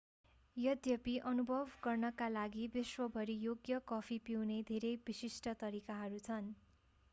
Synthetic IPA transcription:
jʌd̪jʌpiʔʌnubʱʌbʱɡʌrnʌkalaɡibiswʌbʱʌɾijoɡjʌkʌpʰipiwned̪ʱeɾʌjbisisʈʌt̪ʌɾikaɦʌɾut͡sʰʌn

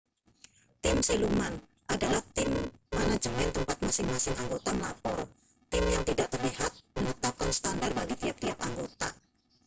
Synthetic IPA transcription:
t̪ɪmseluman | ʔadalaht̪ɪmːanat͡ʃəpɛnt̪əmpat̪̚masɪŋmasɪŋaŋɡot̪aməlapɔr | t̪ɪmjaŋt̪idaʔt̪ərliɦat̪̚mənət̪ap̚kansə̥t̪andar̚baɡit̪iap̚t̪iapaŋɡot̪a

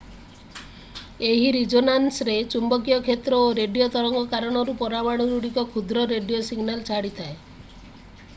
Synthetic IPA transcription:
eɦiɾid͡ʒonansɾet͡ʃumbɔkijɔkʰet̪ɾɔoɾeɖijot̪ɔɾɔŋɡɔkaɾɔɽ̃ɔɾupɔɾamaɽ̃uɾuɽikɔkʰud̪ɾɔɾeɖijosiɡnalt͡ʃʰaɽit̪ʰae

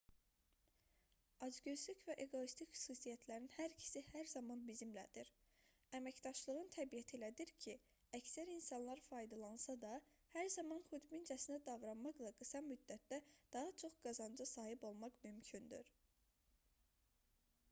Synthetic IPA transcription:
ɑd͡ʒɡøzlycvæʔe̞ɡo̞ist̪ʰicxy̥susijæt̪ʰlæɾinhæɾcʰi̥sihæɾzɑmɑnbizimlæ̰d̪iɾ | æmæcd̪ɑʃlˠɯʁɯnt̪ʰæbijæt̪ʰilæd̪iɾcʰi | æcsæɾinsɑnlˠɑɾfɑjd̪ɑlˠɑnsɑd̪ɑ | hæɾzɑmɑnχud̪bind͡ʒæsind̪æd̪ɑvɾɑnmɑχlˠɑɡɯsɑmyd̪ːæt̪̚d̪æd̪̥ɑɦɑt͡ʃʰo̞χɡ̥ɑzɑnd͡ʒɑsɑːɦibo̞lˠmɑχmymcʰynd̪y̰ɾ

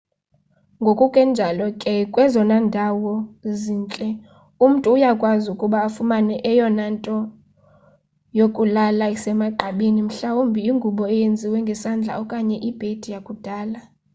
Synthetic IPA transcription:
ŋɡʱokʼukʼɛnd͡ʒʱalɔkʼɛkʼwɛzɔnandʱawɔziːnt͡ɬʼɛ | um̩tʼuːjakʼwazukʼuɓaːfumanɛʔɛjɔnantʼɔ | jokʼulalaisɛmaɡ͡ǃʱaɓinim̩ɬawumbʱiiŋɡʱuɓɔɛjend͡zʱiwɛŋɡʱɛsand͡ɮʱa̰ɔkʼaɲɛʔib̥ʱed̥ʱijakʼud̥ʱaːla

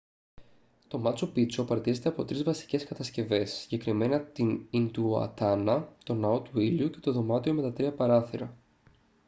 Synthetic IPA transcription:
t̪o̞mɐt͡sopit͡so̞pɐɾɐt̪ize̞t̪e̞ɐpo̞t̪ɾizvɐsi̥ce̞skɐt̪ɐsce̞ve̞sːi̥ɲɟe̞kɾime̞nɐt̪inint̪uɐ̰t̪ɐnɐt̪o̞nɐo̞t̪uiluce̞̥t̪o̞ðo̞mɐt̪io̞me̞t̪ɐt̪ɾiɐpɐɾɐθiɾɐ

